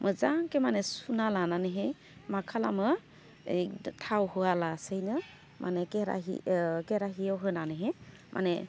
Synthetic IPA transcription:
mʔɯzaŋkemanɛsunalananɯɦe | makʰalamɯ | tʰawhɯalasɯjnɯ | mʔa̰nɛkeɾa̰ɦḭkeɾaɦijawɦɯnanɯɦe | mʔa̰nɛ

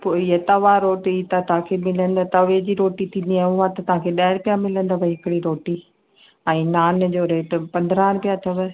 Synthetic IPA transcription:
poːiɦet̪ɐʋãɾoːʈit̪at̪ɐʋ̤ãkʰemɪlə̃nd̪at̪ɐʋed͡ʑiːɾoːʈit̪ʰĩːnd̪iaːʊɦat̪ɐt̪ɐʋ̤ãkʰeːɗaːɪɾpijamɪlə̃nd̪abʱɐɦɪkɪɽiɾoːʈi | ɛ̃ːnaːnd͡ʑoːɾeːʈpɐ̃nd̪ɾaːnpijat̪ʰɐʋə

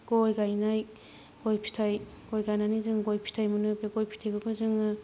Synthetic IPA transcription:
ɡ̥ɔjɡajnaj | ɡ̥ojpʰi̥tʰajɡ̥ojɡajnanizɯŋɡojpʰi̥tʰajmɯnɯbeɡojpʰi̥tʰajɡɯɡɯzɯŋɯ

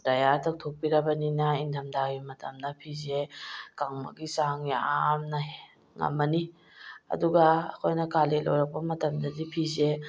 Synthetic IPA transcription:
dajaɾtʰɐk̚tʰok̚piɾɐbɐninɐindɐmdaɡimɐtɐmnɐpʰizekaŋmɐ̰ɡisaŋia̰mnɐ | ŋɐ̰mːɐni | ɐ̰duɡa̰ːkʰojnɐkalelo̰wɾɐk̚pɐmɐtɐmdɐdipʰize

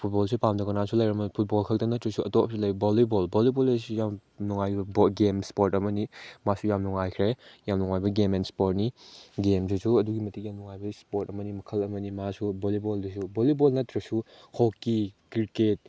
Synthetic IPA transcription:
pʰut̚bolsʰupamdɐɡɐnasulɐjɾɐmɐpʰut̚bolkʰɐk̚tɐnɐtɾɐsuɐtopsulɐjbbolibolbolibolesujamnuŋajbɐboɡemspoɾtɐmɐnimasujamnuŋajkʰɾejamnuŋajbɐɡemenspoɾt̚niɡemsʰisuɐduɡimɐtikjamnuŋajbɐspoɾtɐmɐnimɐkʰɐlɐmɐnimasuboliboldus̬ubolibolnɐtːɾɐsu | hokːikiɾket̚

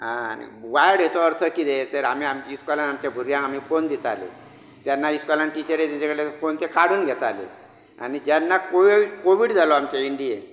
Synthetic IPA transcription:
ɦaa̰nḭʋajɽɦjet̪ɔəɾt̪ʰəkid̪et̪əɾam̤iamiskɔlanamt͡ɕabʱuɾjãam̤iːfond̪it̪a̰lḛ | t̪janːaiskalanʈit͡ɕəɾet̪aɲt͡ɕakəɽlefont̪ekaɽ̤uːnɡʱɛt̪alḛ | a̰ñid͡ʑanːakoʋikoʋiɽd͡zʱalɔamt͡ɕaiɳɖie

